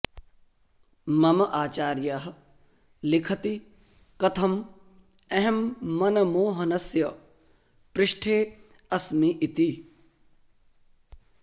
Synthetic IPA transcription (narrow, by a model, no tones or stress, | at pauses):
mɐmɐʔaːt͡ʃaːɾjaɦ | lɪkʰɐt̪i | kɐt̪ʰɐm | ɐɦemːɐnɐmoːɦɐnɐsjɐ | pɾɪʃʈʰeː | ɐsmiʔit̪i